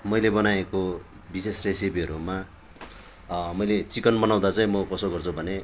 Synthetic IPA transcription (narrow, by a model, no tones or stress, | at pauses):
mʌjlebʌnajeko | bisesresipiʌɾuma | mʌjlet͡sikʌnmʌnaw̃d̪at͡saĩmʌkʌsoɡʌrt͡sʰubʱʌne